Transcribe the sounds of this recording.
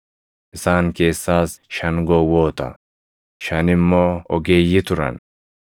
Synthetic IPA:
ʔɪsaːnke̞ːsːaːsʃɐŋɡɔwoːt̪ɐ̰ | ʃɐnɪmːɔɔɡeːjɪt̪ʊɾɐ̰n

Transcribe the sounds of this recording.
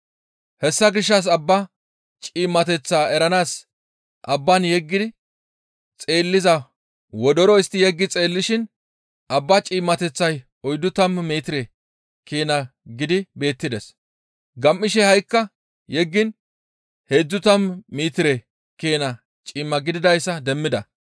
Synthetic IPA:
hɛsːɐɡɪʃːɐs̬ɐbːɐ | t͡ʃʼiːmːɐt̪ɛt͡sːaːɛɾɐnaːs | ʔɐbːɐnjɛɡːɪd̪ɪ | t͡sʼe̞ːlːɪzɐ | wɔd̪ɔɾɔɪst̪ːɪjɛɡːɪt͡sʼe̞ːlːɪʃɪn | ʔɐbːɐt͡ʃʼiːmːɐt̪ɛt͡sːɐj | ɔjd̪ːʊt̪ɐmmeːt̪ɪɾɛ | keːnɐɡɪd̪ɪbe̞ːt̪ːɪd̪ɛs | ɡɐmːɪʃɛhɐjkːɐ | jɛɡːɪn | he̞ːd͡zːʊt̪ɐmːiːt̪ɪɾɛ | keːnɐ | t͡ʃʼiːmːɐɡɪd̪ɪd̪ɐjsːɐd̪ɛmːɪd̪ɐ

